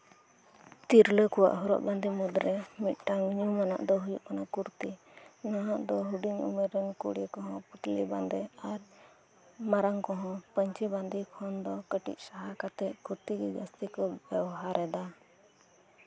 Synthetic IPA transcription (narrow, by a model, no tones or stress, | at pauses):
t̪iɾləkɔwa̰ʔɦuɾɔ̰ʔband̪imud̪ɾɛmit̪̚ˀʈaŋɲumana̰ʔd̪ɔɦujuʔkanakuɾt̪i | naɦaʔd̪ɔɦuɖiɲṵmɛɾɛnkṵɽɛkɔɦɔ̃put̪liband̪ɛaɾ | maɾaŋkɔɦɔ̃pəɲt͡ʃɛband̪ikʰɔnd̪ɔkəʈḭc̪̚saɦakat̪ɛʔkuɾt̪iɡiɡast̪ikɔbɛwɦaɾɛd̪a